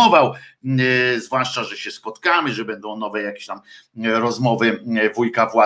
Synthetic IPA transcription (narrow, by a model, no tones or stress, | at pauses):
ɔvaw | zvwaʂt͡ʂaʐɛɕɛspɔt̪kamɘʐɛbɛnd̪ɔ̃w̃nɔvɛjakʲe̥ɕt̪amɾɔzmɔvɘvujkavwa